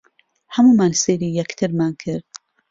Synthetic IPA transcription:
hamuːmaːnseːɾijɛkt̪ʰɨɾmaːnkʰɪɾd̪̥̚

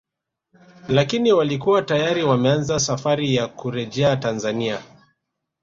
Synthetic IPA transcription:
lakiniwalikuwatajaɾiwamɛanzasafaɾijakuɾɛʄɛatanzania

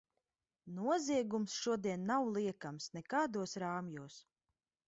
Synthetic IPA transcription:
nuɔziɛɡumsʃuɔd̪iɛnːawlˠiɛkamsnɛkaːd̪uɔsɾaːmjuːs

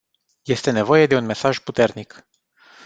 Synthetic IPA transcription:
je̞st̪e̞ne̞vo̞je̞d̪e̞unme̞saʒput̪e̞rnik

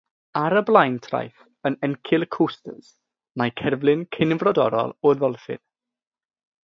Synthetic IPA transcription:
aɾəblˠajntʰra̰jθ | ənɛnkʰɪlˠkʰustə̰z̥ | majkʰɛrvlˠɪnkʰɪnvrɔdɔ̰ɾɔ̰lˠɔðɔlˠfɪ̰n

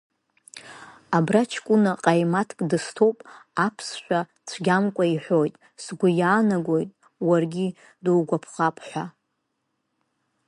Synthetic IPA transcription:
abrat͡ʃʰkʷʼʊnaqʼajmatʰkʼdɨstʰo̞wpʼapʰsʃʷᶣa | t͡sʷʰɡʲamkʷʼaiħʷo̞jtʼ | sɡʷʊjaːnaɡʷo̞jtʼ | warɡʲi | dɨlɡʷapʰχapʼʰħʷa

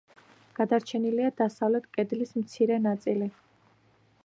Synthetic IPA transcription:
ɡ̥ad̪aɾt͡ʃʰɛniliad̪asavlɛt̪ʰkʼɛd̪lismt̪sʰiɾɛnat̪sʼili

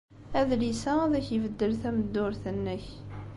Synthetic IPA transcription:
æðlisæðæçjəvəd̪ːəlθæməd̪ːʊɾθənːəç

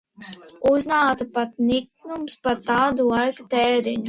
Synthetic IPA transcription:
uznaːt̪apat̪̚niknumspat̪aːd̪ulˠajkat̪ɛːɾiɲu

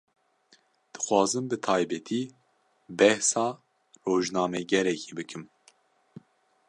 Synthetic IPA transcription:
d̪̥ɨ̥xwɑːzɨmbɨt̪ʰɑːjbɛt̪ʰiː | bɛhsɑː | roːʒnɑːmɛɡɛɾɛkʰiːbɨkʰɨm

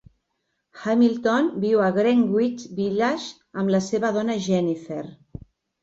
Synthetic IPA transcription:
xamilˠt̪onbiwəɣɾɛŋɡwit͡ʃbiʎaʃ | əmləseβəðɔnəʒɛnifeɾ

